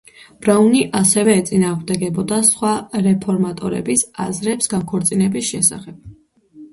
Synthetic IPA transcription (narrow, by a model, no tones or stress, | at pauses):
b̥ɾauniʔasɛvɛːt̪sʼinaːʁmd̪ɛɡɛbɔd̪asχwaɾɛpʰɔɾmat̪ʼɔɾɛ̰bisa̰zɾɛpsɡaŋkʰɔɾt̪sʼinɛbisʃɛsa̰χɛb̥̚